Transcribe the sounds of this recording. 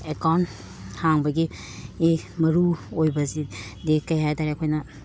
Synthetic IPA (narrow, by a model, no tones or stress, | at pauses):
ekawn | haŋbɐɡi | emɐɾuojbɐzidikɐjɦajtaɾeɐkʰojnɐ